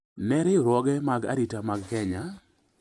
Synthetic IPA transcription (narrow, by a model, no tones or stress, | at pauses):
nɛɾɪɾwɔɡɛmaɡa̰ɾitamaɡkɛɲa